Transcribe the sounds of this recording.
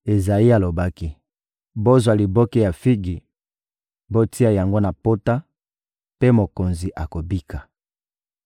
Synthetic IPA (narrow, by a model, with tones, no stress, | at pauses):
e˨za˨i˦a˨lo˨ba˦ki˦ | bo˦zwa˨li˨bo˦ki˦ja˨fi˦ɡi˨ | bo˦ti˦a˨ja˨ŋɡo˦na˨po˦ta˦ | pe˦mo˨ko˨nzi˨ʔa˨ko˨bi˦ka˨